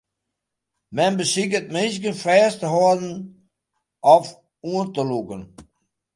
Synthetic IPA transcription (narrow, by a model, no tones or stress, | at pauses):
mɛnbəsɪk̬ət̚mɪnskənfrɛːstəɦɔdn̩ | ʔɔf | uəntəlukən